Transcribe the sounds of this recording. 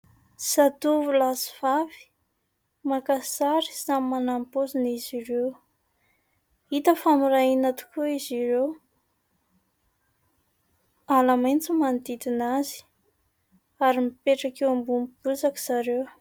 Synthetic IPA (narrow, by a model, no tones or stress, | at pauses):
sat̪uvulasi̥vavi̥ | makasaɾi̥zamimanampoziniziɾew | it̪əfamiɾainat̪u̥kuiziɾew | alamajnt͡simand̪id̪inazi̥ | aɾimipeʈ͡ʂakewambumib̥uzaki̥z̥aɾew